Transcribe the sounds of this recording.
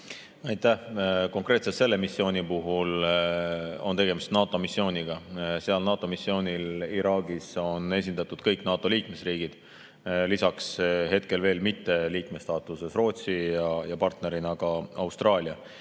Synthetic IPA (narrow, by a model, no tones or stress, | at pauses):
ɑjt̪ˑːæhko̞ŋkre̞ːt̪set̪se̞lːe̞misːio̞ːnipuɦul | o̞nt̪e̞ɡ̥e̞mist̪nɑːt̪o̞misːjo̞ːnʲiɡ̥ɑseɑlnɑːt̪ːˑo̞misːjo̞ːnʲiliɾɑːɡiso̞ne̞s̬ʲind̪ɑt̪ːˑud̪̥kɤjknɑːt̪ːˑo̞liːkme̞sriːɡ̥id̪̥ | lisɑksɦe̞t̪ke̞lve̞ːlmit̪ːe̞liːkme̞st̪ɑːt̪ˑuse̞sro̞ːt̪sijɑjɑpɑrt̪ne̞ɾinɑɡ̥ɑɑwst̪rɑːlʲiɑ